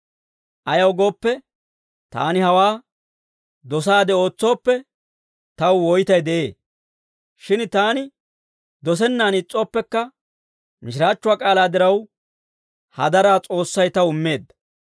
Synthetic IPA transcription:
ʔɐjɐwɡo̞ːpːɛ | t̪a̰ːnɪhɐwaː | d̪ɔs̬aːd̪ɛo̞ːt͡sːo̞ːpːɛ | t̪ɐwwɔjt̪ɐjd̪ɛʔe̞ː | ʃɪnt̪aːnɪ | d̪ɔs̬ɛnːaːnɪt͡sʼːo̞ːpːɛkːɐ | mɪʃ̬ɪɾaːt͡ʃːʊaːkʼaːlaːd̪ɪɾɐw | hɐ̰d̪ɐɾaːt͡sʼo̞ːsːɐjt̪ɐwʊmːe̞ːd̪ːɐ̥

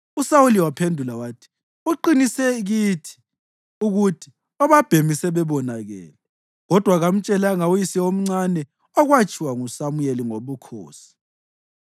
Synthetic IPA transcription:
usawuliwapʰendʱulawaːtʰi̥ | uǃinisɛɣitʰi̥ | uɣutʰi̥ | ɔβab̥ʱemisɛβɛβɔnaɣɛ̰ːlɛ | ɣɔd̥ʱwaɣam̩t͡ʃʼɛlaŋaujisɛom̩ŋ͡ǀanɛ | ɔɣwat͡ʃʼʰiwaŋusamujeliŋoβukʰo̰ːsi̥

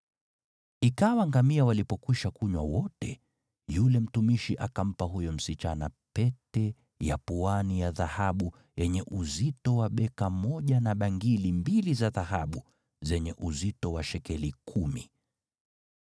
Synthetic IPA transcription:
ikawaŋɡamiawalipɔkwiʃakuɲwa̰wɔtɛ̰ | julɛm̩tumiʃiʔakam̩paɦujɔm̩sit͡ʃana̰pɛtɛ | ja̰puanijaðahaɓu | jɛɲɛʔuzitɔwaɓɛkamɔʄanaɓaŋɡilimbilizaðahaɓu | zɛɲɛʔuzitɔwaʃɛkɛlikʰumi

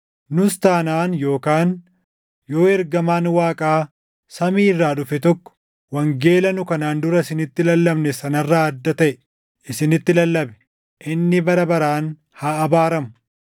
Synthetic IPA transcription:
nʊst̪aːnaːnjo̞ːkaːn | jo̞ːɛɾɡɐmaːnwaːkʼaː | sɐmiːrːaːᶑʊfɛt̪ɔkːɔ̥ | wɐŋɡe̞ːlɐnʊkɐnaːnd̪ʊɾɐɪsɪnɪt̪ːɪlɐlːɐbnɛsɐnɐrːaːɐd̪ːɐt̪ɐʔɛ | ʔɪsɪnɪt̪ːɪlɐlːɐbɛ̥ | ʔɪnːɪbɐɾɐbɐɾaːn | haːɐbaːɾɐmʊ

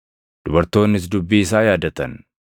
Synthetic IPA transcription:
d̪̥ʊbɐɾt̪o̞ːnːɪs̬d̪ʊbːiːɪsaːjaːd̪ɐt̪ɐn

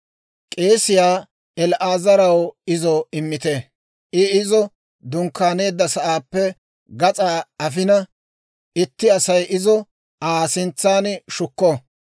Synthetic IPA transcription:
kʼe̞ːsɪjaː | ɛlʔaːzɐɾɐwɪzɔɪmːɪt̪e | ɪɪzɔ | d̪ʊŋkːaːne̞ːd̪ːɐsɐʔaːpːɛ | ɡɐt͡sʼaːɐf̬ɪnɐ | ɪt̪ːɪɐsɐjʔɪzɔ | aːsɪnt͡sːaːnʃʊkːɔ

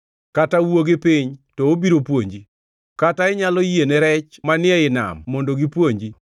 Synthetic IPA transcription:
katawoɡepiɲtɔobiɾopwoɲd͡ʒi | kataɪɲalɔjeneɾɛt͡ʃmanɪɛɪna̰mːondoɡipwoɲd͡ʒi

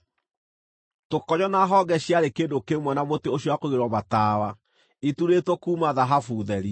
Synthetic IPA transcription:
tokɔɲɔnaɦɔɡɛɕjaɾekeːndokemwɔnamoteoɕjɔwakoɣeɾwɔmataːwa | ituɾetwokuːmaðaɦafuðɛɾi

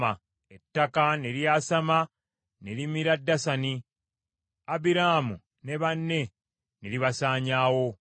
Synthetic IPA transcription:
a | etːakaneɾijaːsama | nelimiɾadːasani | abiɾaːmu | ne̞βanːe̞ | neliβasaːɲaːwo̞

